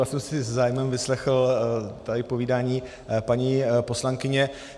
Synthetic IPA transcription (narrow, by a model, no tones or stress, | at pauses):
asɛmsɪzzaːjmɛmvɪslɛxl̩t̪aɪpo̞viːdaːɲiː | paɲiːpo̞slaŋkɪɲɛ